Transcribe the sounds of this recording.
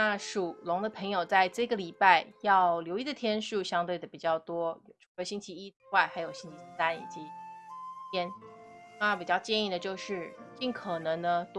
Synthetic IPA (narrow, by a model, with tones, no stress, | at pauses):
na˥˩ʂu˨˩lʊ˧˥ŋd̪ə˧pʰɤ˧˥ŋjo˨˩ʊt͡sa˥˧ɪʈ͡ʂɤ˥˩ɡə˩li˨˩pa˥˩ɪjɑ˥˩ʊljo˧˥ʊi˥˩d̪ə˩t̪ʰjɛ˥nʂu˥˩ɕjɑ˥ŋt̪we˥˩ɪd̪ə˩pi˨˩t͡ɕjɑ˥˩ʊt̪wɔ˥jʈ͡ʂʰu˧˥ə˧˥ɕi˥ŋt͡ɕʰi˧˥i˥wa˥˩ɪxa˧˥ɪjo˨˩ʊɕi˥ŋt͡ɕʰi˧˥s̩˥˧˩sa˥nḭ˨˩t͡ɕi˧˥ | t̪ʰjɛ˥n | a˥˧˩pi˨˩t͡ɕjɑ˥˧ʊt͡ɕjɛ˥˧ni˥˩d̪ə˩t͡ɕjo˥˧ʊʂɻ̩˥˧t͡ɕi˥˩nkʰɤ˨˩nɤ˧˥ŋnə˧t̪